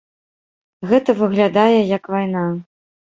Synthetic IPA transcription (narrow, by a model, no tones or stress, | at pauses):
ɣɛt̪ɐvɨɣlʲad̪ajɛjɐkvajna